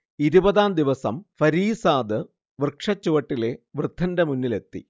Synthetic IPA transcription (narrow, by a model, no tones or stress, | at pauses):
iɾubɐðaːnd̪iʋɐsɐmfɐɾiːsaːðɨ | ʋrkʂɐt͡ɕːuʋɐʈːile̞ʋrɨd̪ʱːɐndɐmunːile̞t̪ːḭ